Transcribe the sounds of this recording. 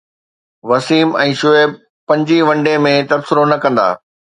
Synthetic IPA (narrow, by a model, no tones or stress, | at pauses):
ʋɐsiːmɛ̃ːʃʊeːb̚ | pɐ̃ɲd͡ʑiʋɐ̃ɳɖemẽt̪ɐbsɪɾonɐkɐ̃nd̪a̰ː